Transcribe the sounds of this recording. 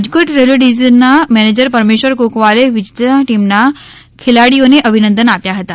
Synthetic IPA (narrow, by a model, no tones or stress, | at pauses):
d͡ʑkəʈɾeloɖizənamɛned͡ʑəɾpəɾmeɕʋəɾkokʋaleʋid͡ʑit̪aʈimna | kʰelaɽijoneʔəbʱinə̃nd̪ənat̪jaɦət̪a